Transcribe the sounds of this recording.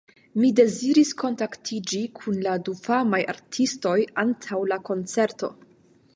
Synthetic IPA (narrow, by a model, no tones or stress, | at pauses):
mide̞ziɾisko̞ntaktʰid͡ʒikʰunladufamaja̰ɾtʰisto̞jantʰawlako̞nt͡se̞ɾto̞